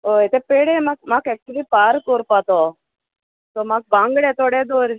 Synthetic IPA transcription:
ɦojt̪ɛpeɽemak̚makɛk̚t͡ɕulipaɾkɔɾpat̪ɔ | t̪ɔmaɡ̚bãŋɡɽɛ̃t̪ɔɽɛd̪oɾ

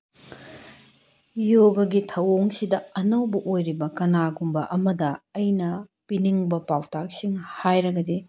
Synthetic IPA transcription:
joɡɐɡitʰɐwoŋsidɐɐnɐwbɐʔojɾibɐkɐnaɡumbɐʔɐmɐdɐɐjnɐpiniŋbɐpawtʰak̚siŋhajɾɐɡɐdi

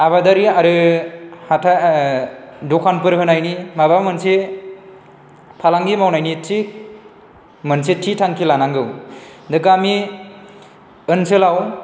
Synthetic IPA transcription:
aβadaɾiaɾɯ | hatʰa | dɔkʰanpɯɾɦɯnajnimaβamɯnse | pʰalaŋɡimawnajnitʰik̚ | mənsetʰitʰaŋkʰilanaŋɡɯwdɯkami | ɯnsɯlaw

